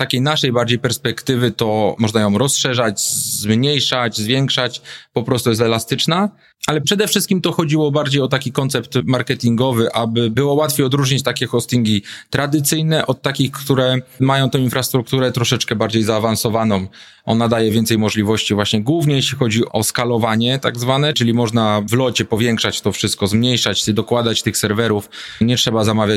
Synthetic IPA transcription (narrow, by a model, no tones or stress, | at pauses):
t̪akʲejnaʂɛjbaɾd͡ʑejpɛɾspɛkt̪ɘvɘt̪ɔmɔʐnajɔ̃w̃ɾɔsʂɛʐad͡ʑzmɲejʂad͡ʑzvʲjɛŋkʂat͡ɕpɔpɾɔst̪ujɛs̬t̪ɛlast̪ɘt͡ʂna | ʔalɛpʂɛd̪ɛfʂɘst̪̚kʲimt̪ɔxɔd͡ʑiwɔbaɾd͡ʑejɔt̪akʲikɔnt̪sɛpt̪maɾkɛt̪ʲiŋɡɔvɘʔabɘbɘwɔwat̪fʲjejɔd̪ɾuʐɲit͡ɕt̪akʲɛxɔst̪iŋɡʲit̪ɾad̪ɘt̪sɘjnɛʔɔt̪ːakʲixkt̪uɾɛmajɔ̃w̃t̪ɛ̃w̃infɾast̪ɾuk̚t̪uɾɛt̪ɾɔʂɛt͡ʂkɛbaɾd͡ʑejzaːvansɔvanɔ̃m | ʔɔ̰nad̪ajɛvʲjɛnt̪sɛjmɔʐlʲivɔɕt͡ɕivwaɕɲɛɡwuvɲɛjeɕlʲixɔd͡ʑiʔɔskalɔvaɲɛt̪a̰ɡzvanɛt͡ʂɘlʲimɔʐnavlɔt͡ɕɛpɔvʲjɛŋkʂat͡ɕt̪ɔfʂɘst̪̚kɔzmɲejʂat͡ɕd̪ɔkwad̪at͡ɕt̪ɘxsɛɾvɛɾufɲɛtʂɛbazamavʲja